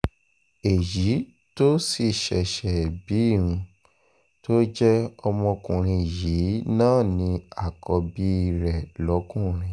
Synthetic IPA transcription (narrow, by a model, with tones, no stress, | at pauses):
e˨ji˨˦ | to˦si˦˨ʃɛ˨ʃɛ˨bi˨˦i˦˨wũ˧ | to˦d͡ʒɛ˦ɔ˧mɔ̃˧kũ˨ɾ̃ĩ˧˨jiː˨˦nãː˦˨nĩ˧a˦˨kɔ˧bi˦i˦˧˨ɾɛ˨lɔ˨˦kũ˦˨ɾ̃ĩ˧